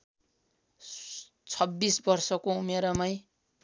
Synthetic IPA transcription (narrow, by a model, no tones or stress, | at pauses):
t͡sʰʌbːisbʌrsʌkoumeɾʌmaj